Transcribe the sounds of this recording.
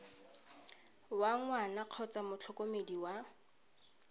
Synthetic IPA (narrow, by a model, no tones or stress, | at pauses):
waŋwanaq͡χʰɔt͡samʊt͡ɬʰɔkomediwa